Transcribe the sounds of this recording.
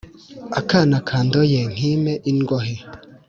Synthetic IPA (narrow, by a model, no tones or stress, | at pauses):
akanakʰaːndojeŋ̥imeʔinɡoɦe